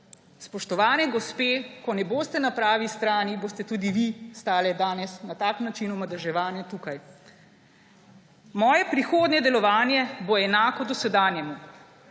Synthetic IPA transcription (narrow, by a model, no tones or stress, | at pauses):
spɔʃt̪ɔʋaːnɛɡɔspeːkɔnɛboːst̪ɛnapɾaːʋist̪ɾaːniboːst̪ɛt̪uːd̪iʋist̪aːlɛd̪aːnɛsnat̪aːknat͡ʃinumad̪ɛʒɛʋaːnjɛt̪uːkaj | mɔːjɛpɾixoːd̪nɛd̪ɛlɔʋaːnjɛboɛnaːkɔd̪ɔsɛd̪aːnjɛmu